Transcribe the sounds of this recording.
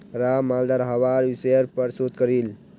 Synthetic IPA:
ɾamald̪aɾɦaʋaɾʋisəɾpəɾsut̪̚kəɾil

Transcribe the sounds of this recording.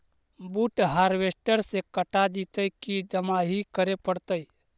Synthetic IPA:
buʈɦaɾʋesʈəɾsekəʈad̪it̪əikid̪əmaɦikəɾepəɽt̪əj

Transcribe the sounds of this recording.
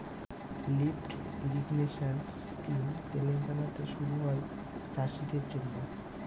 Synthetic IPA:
lifʈ | iɾiɡneʃans | kimt̪eleŋkanat̪eʃuɾuɦɔe | t͡ɕaʃid̪eɾd͡ʑolːo

